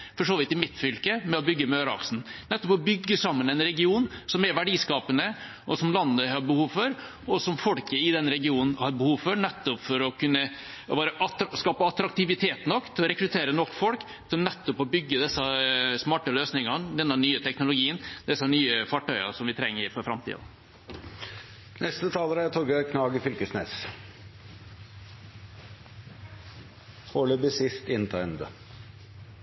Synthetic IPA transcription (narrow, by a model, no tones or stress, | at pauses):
fɔʂoːʋɪt̪ːɪmɪt̪ːfʏlkəmɛɔbʏɡːəmøːɾɑ̰ksn̩nɛt̪ːɔpɔbʏɡːəsɑmːənɛɪnɾɛɡɪuːnsɔmɛɾʋæɖiːskɑːpənə | ʔɔsɔmlɑnːəhɑɾbəhuːʋfɔɾ | ɔsɔmfɔlkəɪd̪ɛnɾɛɡɪuːnn̩hɑɾbəhuːʋfɔɾnɛt̪ːɔpfɔɾɔkʉnːə | bɑːɾəʔɑt̪skɑːpəɑt̪ɾɑk̚t̪ɪʋɪt̪ʰeːt̪nɔkːt̪ʰɪlɔɾɛkɾʉt̪ʰeːɾənɔkːfɔlk | t̪ʰɪlnɛt̪ːɔpɔbʏɡːəd̪ɛsːɑsmɑːʈəløːsnɪŋɑnd̪ɛnːɑnyːət̪ʰɛknʊlʊɡiːənd̪̥ɛsːɑnyːəfɑʈœʏɑ̰sɔmʋɪt̪ʰɾɛŋːəɾɪfɔɾfɾɑmt̪ʰḭːdɑ̰ | nʔɛst̪ət̪ʰɑːləɾæt̪ʰɔɡəkʰnɑːɡɪfʏlkəsnḛːs | foːløbəsɪst̪ɪnt̪ʰɑɪnd̪ə̰